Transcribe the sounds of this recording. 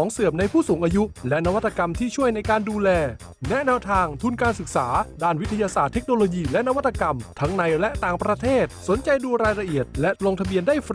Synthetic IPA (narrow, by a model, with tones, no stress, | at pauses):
ɔː˩˦ŋsɯ˨˩əp̚na˧jpʰuː˥˩suː˩˦ŋʔaː˧ju˦˥lɛ˦˥ʔna˦˥wa˦˥t̪ːa˧ka˧mt̪ʰiː˥˩t͡ɕʰu˥˩əjna˧jkaː˧nduː˧lɛː˧ | nɛ˦˥nɛː˧wt̪ʰaː˧ŋt̪ʰu˧nkaː˧nsɯ˨˩k̚saː˩˦daː˥˩nwi˦˥t̪ʰa˧jaː˧saː˨˩t̪ʰːe˦˥k̚noː˧loː˧jiː˧lɛ˦˥ʔna˦wa˦˥t̪ʰːa˧ka˧mt̪ʰa˦˥ŋna˧jlɛ˦˥ʔt̪aː˨˧ŋpɾa˧t̪ʰeː˥˩t̪̚so˨˩˦nt͡ɕa˧jduː˧ɾaː˧jɾa˧ʔi˨˩ət̪̚lɛ˦˥loː˧ŋt̪ʰa˧bi˧əndaː˥˩jf